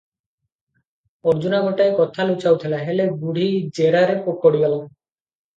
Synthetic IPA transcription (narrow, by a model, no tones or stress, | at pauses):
ɔɾd͡ʒunaɡʱɔʈaekɔt̪ʰalut͡ʃawt̪ʰilaɦeleɡuɽ̤ʱid͡ʒeɾaɾepokɔɽiɡala